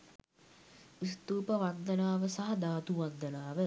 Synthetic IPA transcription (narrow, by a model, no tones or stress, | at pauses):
ist̪uːpəʋand̪ənaːʋəsaɦɐd̪aːt̪uʋand̪ənaːʋə